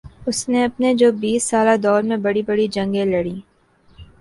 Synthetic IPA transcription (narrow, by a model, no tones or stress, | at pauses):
ʊsneɐpned͡ʒoːbiːsːaːlad̪ɔːɾmẽbɐɽibɐɽid͡ʒɐ̃ŋɡẽlɐɽiː